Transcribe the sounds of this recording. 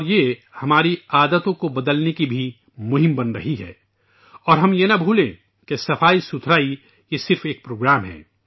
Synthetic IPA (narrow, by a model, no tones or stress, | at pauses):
ɔɾjehɐmaːɾiaːd̪ət̪õkobɐd̪əlnekibʱi | mʊɦɪ̃mbɐnɾɐ̰ɦiɦɛ̰ː | ɔːɾɦɐmjenɐbʱuːlẽ | kesɐfʰaːisʊt̪ʰɾaːi | jesɪɾfeːk̚pɾoːɡɾaːmɦɛ̰ː